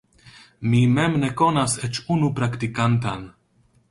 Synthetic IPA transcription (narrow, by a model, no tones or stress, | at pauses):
mimɛmneko̞naset͡ʃunupɾaktikant̪an